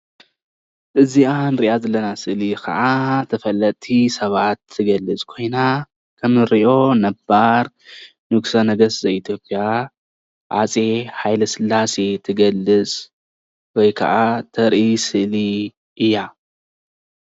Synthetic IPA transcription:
ʔɨzianɾiʔazɐlːɐnasɨʔlikʰɐ̰ʔat̪ʰɐfɐlːɐt̪t̪ʰisɐβat̪ʰːɨɡɐlːɨt͡sʼkʰo̞jna | kʰɐmɨɾiʔo̞nɐbaɾ | nɨɡsɐnɐɡɐszɐit̪ʰjo̞pʼija | ʕa̰t͡sʼe̞ħajlɐsɨlːase̞t̪ʰɨɡɐlːɨt͡sʼ | wɔjkʰɐ̰ʔat̪ʰɐɾʔisɨʔli | ʔɨjːa

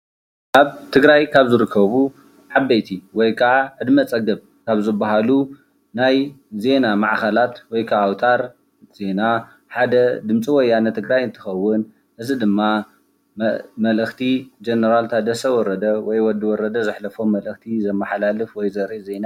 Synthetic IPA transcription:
ʔaβt̪ʰɨɡɾajkʰaβzɨɾɨkʰːɐβu | ʕabːejt̪ʰiwɔjkʰaʕaʕɨd̪mɐt͡sʼɐɡɐβ | kʰaβzɨbːaɦalu | najze̞namaʕxɐlat̪wɔjkʰaʔawt̪ʰaɾ | z̥e̞na | ħad̪ɐd̪ɨmt͡sʼiwɔjːanɐt̪ʰɨɡɾajɨnt̪ʰɨ̥xɐwːʊn | ʔɨzid̪ɨmːa | mɐlʔɨxt̪ʰid͡ʒenɐɾalt̪ʰad̪ɐsʰɐwɔɾɐd̪ɐwɔjwɔd̪iwɔɾɐd̪ɐzɨħlɐfo̞mɐlʔɨxt̪ʰizɐmːɐħalalɨfwɔjzɐɾize̞na

